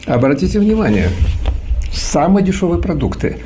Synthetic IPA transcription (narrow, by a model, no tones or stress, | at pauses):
ɐbɾɐtʲitʲɪvnʲɪmanʲɪjə̰ | samɨjədʲɪʂovɨjəpɾɐd̪ukt̪ɨ̰